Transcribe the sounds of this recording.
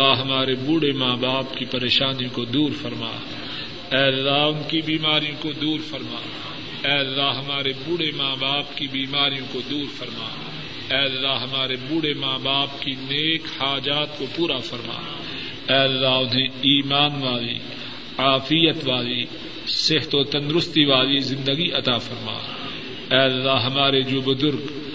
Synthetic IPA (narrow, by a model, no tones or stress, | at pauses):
aɦɐmaːɾebuːɽemaːbaːpkipɐɾeːʃaːnijõkod̪uːɾfɐɾma̰ː | ɛːɐlːaɦʊnkibiːmaːɾijõkod̪uːɾfɐɾma̰ː | ɛːɐlːaɦɐmaːɾebuːɽemaːbaːpkibiːmaːɾijõkod̪uːɾfɐɾma̰ː | ɛːɐlːaɦɦɐmaːɾebuːɽemaːbaːpkineːkhaːd͡ʒaːt̪kopuːɾafɐɾma̰ː | ɛːɐlːaɦʊnɦẽiːmaːnʋaːlḭ | aːfijət̪ʋaːli | seɦt̪ot̪ɐ̃nd̪ɾʊst̪iʋaːlizɪ̃nd̪əɡiɐt̪afɐɾma̰ː | ɛːɐlːaɦɦɐmaːɾed͡ʒoːbʊzʊɾɡ